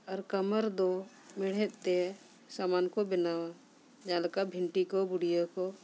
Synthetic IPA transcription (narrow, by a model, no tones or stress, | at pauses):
aɾkaməɾd̪ɔ | mɛɽ̤ɛt̪̚ˀt̪ɛ | samankɔbɛnawa | d͡ʒãləkabʱiɳʈikɔbuɽijəkɔ